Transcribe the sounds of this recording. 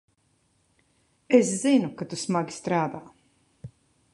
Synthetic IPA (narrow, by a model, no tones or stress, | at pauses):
eszinukat̪usmaɡʲi̥st̪ɾaːd̪aː